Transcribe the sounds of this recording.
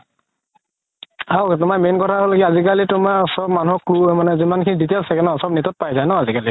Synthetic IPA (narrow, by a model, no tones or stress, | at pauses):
awtʊmamenkɔtʰaɦolɡiazikalitʊmaɹsɔb̚manuɔklumanɛzimankʰiniditelsʰakɛnɔsɔbnɛtɔt̚pajzajnɔazikali